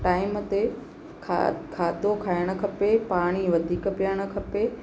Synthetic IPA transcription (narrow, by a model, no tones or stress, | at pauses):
ʈaːɪmət̪e | kʰkʰaːd̪ʱokʰaːɪɽ̃ə̆kʰɐpepaːɽ̃iʋɐd̪ʱiːkəpijəɽ̃ə̆kʰɐpe